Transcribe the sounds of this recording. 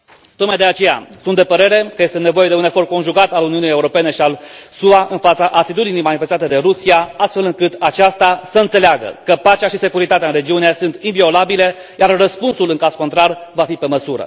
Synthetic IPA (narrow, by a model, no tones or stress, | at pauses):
t̪o̞kmajd̪e̞at͡ʃe̞ja̰sunt̪d̪e̞pəɾe̞ɾe̞kəje̞st̪ene̞vo̞je̞d̪eune̞fo̞rd̪̚ko̞nʒuɡat̪aluniunije̞uɾo̞pe̞ne̞ʃialsuaʔɨnfat̪səʔat̪it̪ud̪inijmanife̞st̪at̪e̞d̪e̞ɾusiaast̪fe̞lɨŋkɨt̪at͡ʃast̪asəɨnt̪se̞leaɡə̰kəpat͡ʃeaʃise̞kuɾit̪at̪eaɨnre̞d͡ʒiuniesunt̪invio̞labile̞ | jarːəspunsulɨŋkazkont̪ɾarvafipe̞məsuɾə̰